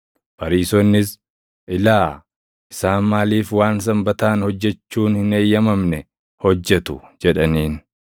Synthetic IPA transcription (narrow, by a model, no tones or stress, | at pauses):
bɐɾiːsɔnːɪs | ʔɪlaː | ɪsaːnmaːliːfwaːns̬ɐmbɐt̪aːnhɔd͡ʒːɛt͡ʃːuːnhɪne̞ːjːɐmɐmnɛ | hɔd͡ʒːɛt̪ʊd͡ʒɛᶑɐniːn